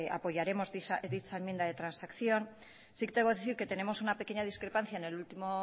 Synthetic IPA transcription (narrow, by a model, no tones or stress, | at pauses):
apo̞ʝaɾe̞mo̞zðiaðit͡ʃaemje̞nd̪aðe̞t̪ɾansakθjo̞n | sikt̪eβo̞ðeθiɾke̞t̪e̞ne̞mo̞sunape̞ke̞ɲað̞iskɾe̞panθjaene̞lult̪imo